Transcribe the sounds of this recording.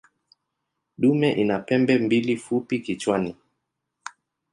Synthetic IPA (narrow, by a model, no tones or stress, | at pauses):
ɗumɛʔinapɛmbɛmbilifupikit͡ʃwani